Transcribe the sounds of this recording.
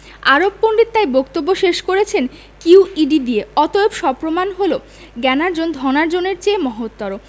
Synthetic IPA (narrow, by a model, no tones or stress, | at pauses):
aɾobːoɳɖiɾt̪ajbokt̪obːoʃeʃkoɾet͡ɕʰen | kiwiɖid̪ieɔt̪oebʃɔpɾomanɦolo | ɡɛnaɾd͡ʑond̪ʱɔnaɾd͡ʑoneɾt͡ɕeːmɔɦot̪ːɔɾo